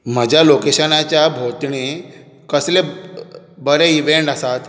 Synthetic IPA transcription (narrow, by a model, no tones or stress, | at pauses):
m̤əd͡ʑʱjalokeɕənat͡ɕjabʱot̪ɳe | kəslẽ | bəɾẽiʋeɳʈəsat̪